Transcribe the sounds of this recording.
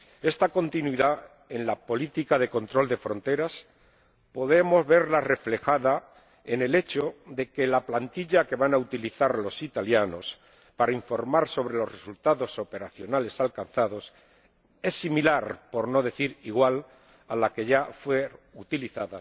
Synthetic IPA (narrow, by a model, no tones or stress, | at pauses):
e̞st̪ako̞nt̪inwiða | e̞nlapo̞lit̪ikaðe̞ko̞nt̪ɾo̞ld̪e̞fɾo̞nt̪e̞ɾas | po̞ðe̞mo̞zβe̞ɾlare̞fle̞xaða | e̞ne̞le̞t͡ʃoðe̞ke̞laplant̪iʎake̞βanaut̪iliθaɾlo̞sit̪aljano̞s | paɾaiɱfo̞ɾmaɾso̞β̞ɾe̞lo̞sre̞sult̪aðo̞so̞pe̞ɾaθjo̞nale̞salkan̟θaðo̞s | e̞sːimilaɾpo̞ɾno̞ðe̞θiɾiɣwal | alake̞ʝafwe̞ut̪iliθaða